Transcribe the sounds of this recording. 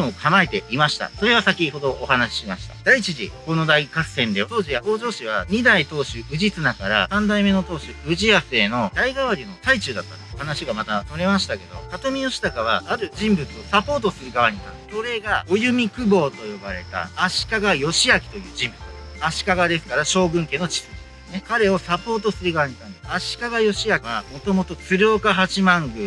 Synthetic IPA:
okʰamaet̪e̞imaɕi̥t̪a̰so̞ɾe̞β̞asakʲiho̞d̪o̞ʔːhanaɕi̥ɕimaɕi̥t̪ḁ̰d̪̥ait͡ɕiʑiko̞no̞d̪aikassẽ̞nd̪e̞t̪o̞ːʑijaho̞ːʑo̞ːɕiβ̞aɲ̟id̪ait̪o̞ːɕɨɯ̟ʑit͡sɨnakaɾa̰sãnd̪aime̞no̞t̪o̞ːɕɨɯʑiase̞ːno̞d̪aiɡaβaɾʲino̞t̪ait͡ɕɨːd̪at̪ːahanaɕiɡamat̪ano̞ɾe̞maɕi̥t̪ake̞d̪o̞̰kat̪o̞mʲijo̞ɕi̥t̪akaβ̞aːɾɯ̟d͡ʑĩmbɯ̟t͡sɨo̞sapo̞ːt̪o̞sɨɾɯ̟ɡaβaɲ̟it̪a | so̞ɾe̞ɡao̞jɯ̟mʲikɯ̟bo̞ːt̪o̞jo̞baɾe̞̰t̪a̰ːɕi̥kaɡajo̞ɕiakʲi̥t̪o̞jɯ̟ːd͡ʑĩmbɯ̟t͡sɨ̥aɕi̥kaɡad̪e̞sɨ̥kaɾaɕo̞ːbɯ̟̃ŋke̞ːno̞t͡ɕi̥sɨ̥esɨne̞kaɾe̞o̞sapo̞ːt̪o̞sɨɾɯ̟ɡaβaɲ̟it̪ãnd̪esaɕi̥kaɡajo̞ɕiakiβamo̞t̪o̞mo̞t̪o̞t͡sɨɾʲoːkaɦat͡ɕimãŋɡɯ̟

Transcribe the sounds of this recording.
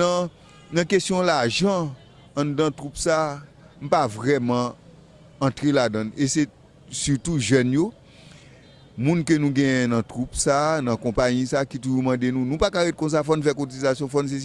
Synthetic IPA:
ʌ̃ | nɐ̃kestjɔ̃laʒɑ̃ː | dãtʁupsaː | nũpavʁɛmʌ̃ː | tʁeladʌ̃nese | sytuʒœnjo | mũnkønũɡɛ̃jɛ̃nɐ̃tʁupsanɐ̃kɔ̃pajĩsakituʒumãdenũnũpakaɣɛt̚kɔ̃s̬afɔnũfɛkotizasjɔ̃fɔns̬es

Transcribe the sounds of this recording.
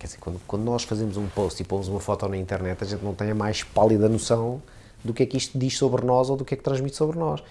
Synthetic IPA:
kɛɾdizeɾkwɐ̰̃nd̪ukwɐ̃nd̪unɔʃfɐzemuzũpoʃt̪ipomuzumɐfɔt̪onɐĩnt̪ɛɾnɛt̪ɐʒẽnt̪nɐ̃w̃t̪ɐ̃j̃ɐmajʃpalˠiðɐnusɐ̃w̃ | d̪ukɛkiʃt̪ud̪iʃsoβɾnɔzoðukɛk̚t̪ɾɐ̃ʒmit̪soβɾnɔʃ

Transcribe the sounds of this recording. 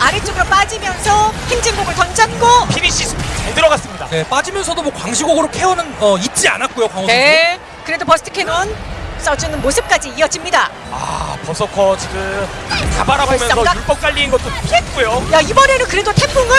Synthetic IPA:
aɾet͡ɕ͈ʌɡɯɾop͈ad͡ʑimjʌnsʰʌheŋd͡ʑiŋɡoɡɯɭtʌŋd͡ʑʰanɡopʰiɾiɕ͈isʰupʰt͡ɕaɭdɯɾʌɡas͈ɯmɲida̰ne̞p͈ad͡ʑimjʌnsʰʌdomwoʌkwaŋɕʰiɡoɡɯɾokʰe̞ʌnɯnʌit̚t͡ɕ͈ia̰nat̚k͈ojokwaŋʌne̞ | kɯɾe̞dopʌsʰɯ̥tʰɯkʰenʌns͈ʌd͡ʑɯnɯnmosʰɯp̚k͈ad͡ʑiːʌd͡ʑimɲida | a̰pʌsʰʌkʰʌt͡ɕiɡɯma̰baɾabomjʌsʌjuɭp͈ʌk̚k͈aʎːiːnɡʌt̚t͈opʰet̚k͈ujojaibʌɾe̞nɯnkɯɾe̞dotʰe̞pʰuŋɯ

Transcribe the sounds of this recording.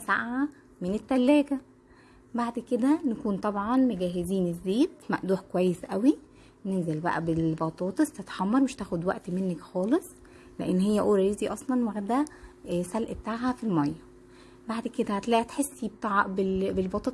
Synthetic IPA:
sa̰ʔʕa | menet̪ːælːæːɡæ | baʕd̪ked̪ænekuːnt̪ˤɑbʕɑnmoɡæːɦeziːnezːeːd̪mæ̰ʔd̪uːħkowæjːesʔæwi | nenzelbæ̰ʔæ̰belbɑt̪ˤɑːt̪ˤɑst̪et̪ħɑmːɑɾˤmeʃt̪æːxod̪wæ̰ʔt̪menːækxɑːlesˤ | lḛʔenːhejːæʔoːɾɑjeziʔɑsˤlɑnwæɡd̪æsælʔet̪ːaʕhæfilmɑjːɑ | baʕd̪ked̪æhæt̪læːʔit̪ħesːibt̪ɑʕbebelbɑt̪ˤɑːt̪

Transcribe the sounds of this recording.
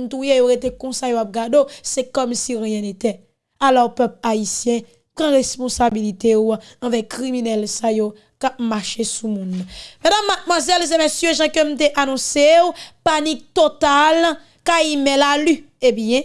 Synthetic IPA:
nt̪ujejoʁet̪ekɔ̃sajoap̚ɡadosɛkɔmsiʁjɛ̃net̪ɛ | alɔʁpœplaisjɛ̃ | pʁãʁespɔ̃sabilit̪euaɑ̃vɛkʁiminɛlsajo | kap̚maʃesumũnmɛ̃dãmːat̪̚mwazɛls̬emesjøʒãkøm̩t̪̬eʔanɔ̃sewpanik̚t̪ot̪al | kaimɛ̃laly | ebjɛ̃

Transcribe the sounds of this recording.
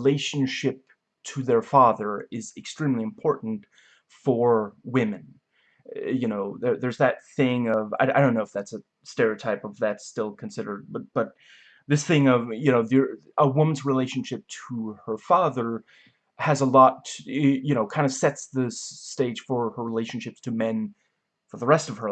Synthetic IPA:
leɪʃɨ̃n̩ʃɪp̚ | tʰɨðə˞fɑðə˞ɪzɨkstɹ̥ĩmliɨ̃mpʰɔɹʔn̩t | fə˞wɪ̃mɨ̃n | jɨnoʊðə˞ðə˞zðɨt̪̚θɪ̃ŋʌva̰ɪaɪɾõʊ̃nːoʊɨfðætsɨ | stɛɹitʰaɪpʌvðɨtstɪlˠkʰɨ̃n̩sɪɾə˞d̚bʌt̚b̥ʌt̪̚ | ðɪsθɪ̃ŋʌvjɨnoʊðə˞ | əwʊ̃m̃n̩zɹileɪʃn̩ʃɪp̚tʰəə˞fɑðə˞ | ɨzəlɔtʰjɨñoʊkʰãɪ̃ndɨ̥sɛtsðɪsteɪdʒ̥fə˞ə˞ɹileɪʃn̩ʃɪptʰɨmɛ̃n | fə˞ðəɹɛstʌv̥ə˞

